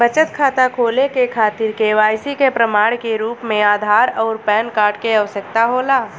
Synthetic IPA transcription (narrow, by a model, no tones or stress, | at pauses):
bət͡ʃət̪kʰaːt̪akʰoːlekekʰaːt̪ɪɾkeʋaːjsikepɾəmaːɽ̃keɾuːpmẽaːd̪ʱaːɾɔːɾpɛːnkaːɾʈkeɐʋəsək̚t̪aɦoːlaː